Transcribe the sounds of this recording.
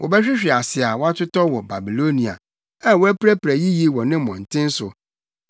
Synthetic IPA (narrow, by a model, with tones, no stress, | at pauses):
wʔɔ̰˨bɛ˦ɕᶣɪ˦ɕᶣɪ˨a˨sɪ˨a˨wɔ˦a˦tʰʊ˦tɔ˦wɔ˨ba˨bi˨lo˦nĩ˨a̰˨ | ã˦˨wɔ˦æ˦pɾæ˦pɾæ˨ji˦ji˦wɔ̃˨nɪ̃˦mɔ̃˨n̩˨tʰɪ̃˦n̩˦sʊ˨